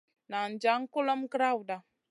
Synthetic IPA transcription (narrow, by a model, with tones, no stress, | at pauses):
na˨n̩˨d͡ʒa˨˦ŋ̩˦kʊ˦lɔ˦mkɾa˦˨wda˨